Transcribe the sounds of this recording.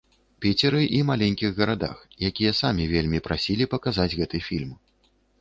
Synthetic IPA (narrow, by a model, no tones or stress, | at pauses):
pʲit͡sʲɛɾɨʔimalʲenʲkʲiɣɣɐɾad̪a̰xjakʲijɐsamʲivʲelʲmʲipɾasʲilʲipɐkazad͡zʲɣɛt̪ɨfʲilʲm